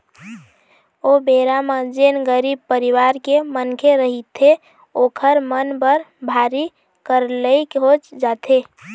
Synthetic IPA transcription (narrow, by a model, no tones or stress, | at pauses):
obeɾamad͡ʒenɡəɾib̚pəɾiwaɾkemənkʰeɾəɦit̪ʰe | okʰəɾmənbəɾbʱaɾi | kəɾləkɦot͡ʃd͡ʒat̪ʰe